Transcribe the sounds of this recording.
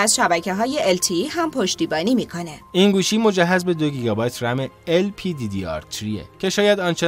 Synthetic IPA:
æzʃæbæcʰe̞ɦɒːje̞ʔelt̪ʰiihæmpʰo̞ʃt̪iːbɒːniːmiːkʰo̞ne̞inɡuːʃiːmo̞d͡ʒæɦːæzbe̞d̪o̞ɡiːɡɒːbɒjt̪ʰɾæmeelpʰid̪id̪iɒ̰ɾt̪ʰɾiḛcʰe̞ʃɒːjæd̪ɒːnt͡ʃʰe

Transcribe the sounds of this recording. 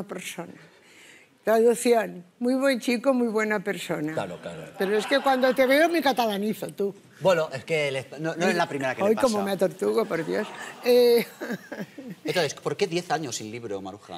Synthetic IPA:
apeɾsona | t̪ɾaðuθjonmujβ̞went͡ʃikomujβwenapeɾsonaaɾokaɾopeɾoeskekwand̪ot̪eβeomikat̪alaniθot̪u | bwenoʔeskeelenonoezlapɾimeɾakeojkomomeat̪oɾt̪uɣopoɾðjose | eoðespoɾkeðje̞θaɲosːinliβɾoma̰ɾuxa̰

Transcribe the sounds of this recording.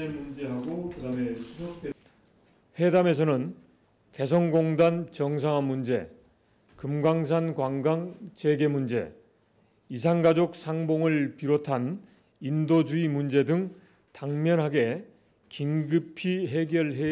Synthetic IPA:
emund͡ʑe̞ɦaɡokɯdame̞sʰusʰʌk̚t͈e | he̞dame̞s̬ʰʌnɯn | ke̞s̬ʰʌnɡoŋdant͡ɕʌŋs̬ʰaŋɦanmund͡ʑe̞̰ | kɯmɡwaŋs̬ʰankwaŋɡaŋt͡ɕe̞ɡe̞mund͡ʑe̞̰ | isʰaŋɡad͡ʑok̚sʰaŋboŋɯɭpiɾotʰan | indod͡ʑuimund͡ʑe̞dɯŋ | taŋmjʌnɦaɡe̞ | kiŋɡɯpʰiɦe̞ɡjʌɭɦe

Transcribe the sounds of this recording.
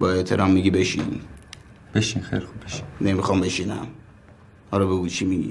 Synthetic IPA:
bɔet̪ʰeɾamːiɡibeʃḭn | b̥eʃinxḛjlixubbeʃi̥nnemixɔmbeʃinæ̰m | hɔɾɔbeɡut͡ʃʰimiɡḭ

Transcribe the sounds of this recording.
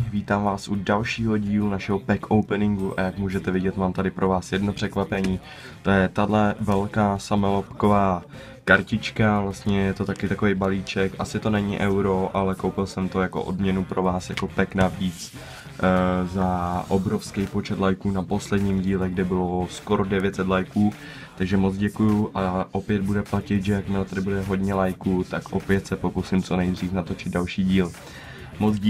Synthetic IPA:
viːt̪aːmvaːsʔudalʃiːɦo̞ɟiːlunaʃɛɦo̞pɛkʰowpɛnɪŋɡuʔa̰jakmuːʒɛt̪ɛvɪɟɛt̪maːmt̪adɪpɾʔo̞vaːsjɛdno̞pr̥ɛkvapɛɲiː | t̪ojɛt̪adlɛvɛlkaːsamɛlopko̞vaː | kaɾcɪt͡ʃkavlast̪ɲɛjɛt̪o̞t̪akɪt̪ako̞vejbaliːt͡ʃɛkʔasɪt̪o̞nɛɲɪʔɛwɾo̞ʔalɛkowpɪlsɛmt̪o̞jako̰ʔo̰dmɲɛnupɾo̞vaːsjako̞pɛknavit͡s | zaʔobɾo̞fskejpo̞t͡ʃɛt̪lajkuːnapo̞slɛdɲiːmɟiːlɛɡdɪbɪlo̞sko̞ɾodɛvjɛt̪sɛt̪lajkuː | t̪aɡʒɛmot͡sɟɛkujuʔaʔopjɛd̪̚budɛplacɪt̪ʒɛjakmɪlat̪adɪbudɛɦo̞dɲɛlajkut̪akʔopjɛt̪sɛpo̞kusɪmt͡so̞nɛjd̪r̝iːfnat̪o̞t͡ʃɪd̪̚dalʃiːɟiːl | mot͡sː

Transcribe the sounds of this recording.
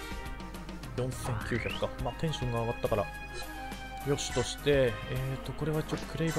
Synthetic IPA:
jõ̞ɰ̃sẽ̞ŋkʲɨːçakɯ̥kːamaːt̪ẽ̞ɰ̃ɕõŋɡaːɡat̪ːakaɾa | jo̞ɕi̥t̪o̞ɕi̥t̪e̞eːt̪ːo̞ko̞ɾe̞βait͡ɕiokɯ̟ɾe̞ib

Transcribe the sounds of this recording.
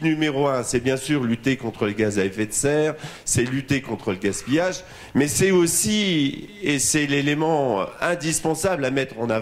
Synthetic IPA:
nymeʁoɛ̃sɛbjɛ̃syːʁlyt̪ekɔ̃t̪χələɡazaɛfɛt̪sɛʁ | sɛlyt̪ekɔ̃t̪χələɡaspijaʒ | mɛsɛosi | esɛlelemɑ̃ɛ̃d̪ispɑ̃sablamɛt̪χɑ̃na

